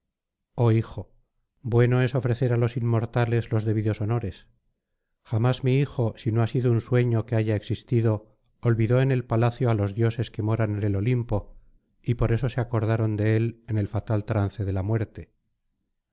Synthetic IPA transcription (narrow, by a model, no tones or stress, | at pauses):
o̞ixo̞ | bwe̞no̞e̞so̞fɾe̞θe̞ɾalo̞simːo̞ɾt̪ale̞zlo̞zðe̞β̞iðo̞sono̞ɾe̞s | χamazmiixo̞sino̞asiðounswe̞ɲo̞keaʝaeksist̪iðo̞ː | lβiðo̞ene̞lpalaθjoalo̞zðjo̞se̞ske̞mo̞ɾanenelo̞limpo̞ | ipo̞ɾe̞so̞seako̞ɾð̞aɾo̞nd̪e̞e̞lene̞lfat̪alt̪ɾanθe̞ðe̞lamwe̞ɾt̪e̞